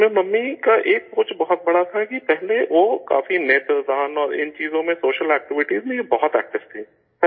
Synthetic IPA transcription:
momɐmːikaʔeːk̚pʊːt͡ʃbɔɦʊt̪̚bɐɽat̪ʰakipɛɦleʋoka̰ːfineːt̪ɾəd̪aːnɔːɾɪ̰nt͡ʃiːzõmẽsoːʃəlɛːk̚ʈɪʋɪʈiːzmẽbɔɦʊt̪ɛ̰ːk̚ʈɪft̪ʰiː

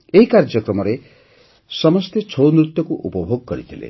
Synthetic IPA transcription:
eɦikaɾd͡ʒɔkɾɔmɔɾe | sɔmɔst̪ʰet͡ʃʰownɾut̪jɔkuʔupɔbʱoɡ̚kɔɾit̪ʰilḛ

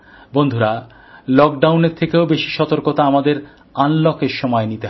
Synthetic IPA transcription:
bond̪ʱuɾa | lɔk̚ɖawneɾt̪ʰekeobeʃi̥ʃɔt̪oɾkot̪aamad̪eɾ | anlɔkeɾʃɔmɔenit̪eɦ

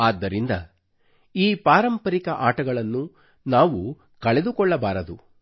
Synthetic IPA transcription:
aːd̪ːɐɾind̪ɐ | iːpaːɾɐmpɐɾikɐʔaːʈɐɡɐɭɐnːu | naːʋu | kɐɭed̪ukɔɭːɐbaːɾɐd̪u

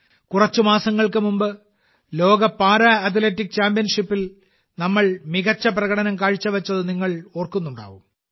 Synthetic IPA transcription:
kurɐt͡ɕːumaːsɐŋːɐɭkɨmumbɨ | lo̞ːɡɐpaːɾɐɐt̪̬letːik̚ːt͡ɕaːmpijɐnʂipːil | nɐmːɐɭmiɣɐt͡ɕːɐp̬rɐɣɐɽɐnɐmkaːɻit͡ɕːɐʋɐt͡ɕːɐðɨniŋːɐɭo̞ːrkunːuɳɖa̰ːʋum

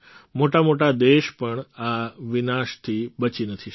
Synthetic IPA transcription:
moʈamoʈad̪eʃpəɳaʋɪnaʃt̪ʰiɓət͡ʃinət̪ʰi

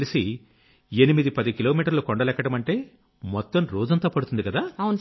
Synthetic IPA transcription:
lisi | e̞nimid̪ipɐd̪ikilo̞ːmiːʈɐɾlukɔɳɖɐlɛkːɐʈɐmɐɳʈe̞ː | mɔt̪ːɐmɾoːd͡ʒɐnt̪oːpɐɽut̪und̪ikɐd̪aːɐwn

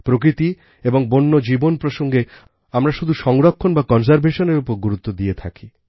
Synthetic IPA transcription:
pɾokɾit̪i | eboŋbonːod͡ʑibonpɾoʃoŋɡe | amɾaʃud̪ʱuʃɔŋɾokʰːonbakɔns̬aɾbeʃoneɾupoɾɡuɾut̪ːod̪iet̪ʰaki

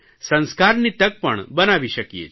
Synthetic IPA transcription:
sɐ̃nskaːɾnit̪ɐk̚pɐɳbɐnaːʋiʃɐkijḛ

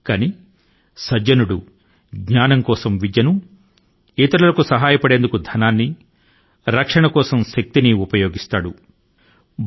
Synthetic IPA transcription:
kani | sɐd͡ʒɐnuɽu | ɡɲaːnɐŋkɔːsɐmʋid̪jɐnu | iːt̪ɐɾɐlɐkusɐɦaːjɐpɐɽe̞ːnd̪ukud̪ʱɐnaːnːi | ɾɐkʂɐɳɐkɔːsɐmʃɐk̚t̪iniupɐjoːɡist̪aːɽu | b

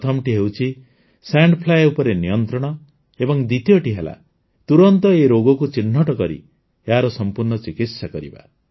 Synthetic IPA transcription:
t̪ʰɔmʈiɦewt͡ʃʰi | saɳɖpʰlajupɔɾenijɔnt̪ɾɔɽ̃ɔ | ebɔŋd̪it̪ijɔʈiɦela̰ | t̪uɾɔnt̪ɔeɾoɡɔkut͡ʃin̤ːɔʈɔkɔɾḭ | eɦaɾɔsɔmpuɾɳɔt͡ʃikit̪sakɔɾḭba̰

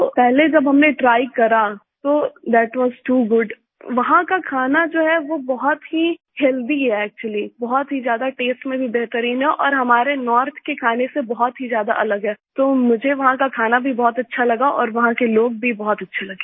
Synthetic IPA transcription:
t̪opɛɦled͡ʒɐbɦɐmneʈɾaːɪkɐɾa | t̪oːd̪ɛːʈʋɔːzʈuːɡʊɖ | ʋɐɦãkakʰaːnad͡ʒoːɦɛʋobɔɦɔt̪ɦi | hɛːld̪iɦɛɛːk̚t͡ʃuəlibɔɦɔt̪ɦizjaːd̪aʈeːsʈmẽbʱibɛɦt̪əɾiːnɦɛʔɔːɾɦɐmaːɾenɔːɾt̪ʰkekʰaːnesebɔɦɔt̪ɦizjaːd̪a̰ʔɐləɡɦɛːt̪oːmʊd͡ʒʱeʋɐɦãkakʰaːnabʱibɔːɔt̪ɐtːʃʰalɐɡaʔɔ̰ːɾʋɐɦãkeloːɡ̚bʱibɔɦɔt̪ɐtːʃʰelɐɡeː

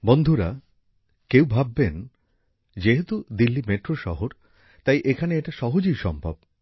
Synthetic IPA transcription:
bond̪ʱuɾa | kewbʱabːen | d͡ʑeɦet̪ud̪ilːimeʈɾoʃɔɦoɾ | t̪ajʔekʰaneeʈaʃɔɦod͡ʑijʃɔmbʱa̰b

